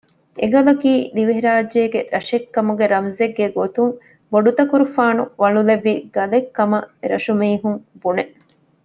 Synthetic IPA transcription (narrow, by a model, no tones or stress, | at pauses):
ʔeɡɐlɐkiːliʋeɦiɾaːd͡ʒeːɡeɾɐʃekːɐmuɡeɾɐmzeɡːeɡot̪uŋ | boɖut̪ɐkuɾufaːnuʋɐluleʋːiɡ̥ɐlekːɐmɐɾɐ̰ʃumiːɦuŋbuneʔ